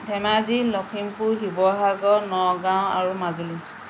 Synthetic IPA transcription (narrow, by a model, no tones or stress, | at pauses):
dʱɛmazilɔkʰimpuɦibɔɦaɡɔnɔɡaw̃a̰ɹumazuli